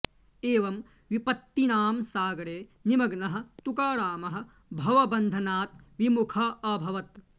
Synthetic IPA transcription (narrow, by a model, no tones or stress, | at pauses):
eːʋɐm | ʋipɐt̪ːinaːmsaːɡɐɾeːnimɐɡnɐɦɐ̆t̪ukaːɽaːmɐɦɐ̆ | bʱɐʋɐbɐnd̪ʱɐnaːt̪̚ʋimukʰɐɐbʱɐʋɐt̪